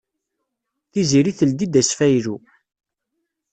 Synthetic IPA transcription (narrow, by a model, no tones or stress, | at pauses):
θiziɾiθəld̪id̪æsfæjlu